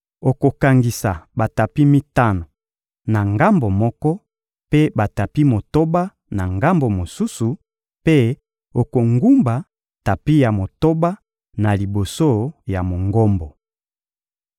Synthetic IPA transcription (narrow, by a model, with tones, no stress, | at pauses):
o˨ko˨ka˨ŋɡi˨sa˨ba˨ta˨pi˦mi˦ta˦no˨ | na˨ŋɡa˦mbo˨mɔ˦kɔ˦ | pe˦ba˨ta˨pi˦mo˨to˦ba˦ | na˨ŋɡa˦mbo˨mo˨su˦su˨ | pe˦ | o˨ko˨ŋɡu˦mba˨ | ta˨pi˦ja˨mo˨to˦ba˦ | na˨li˨bo˨so˦˨ja˨mo˨ŋɡo˦mbɔ˨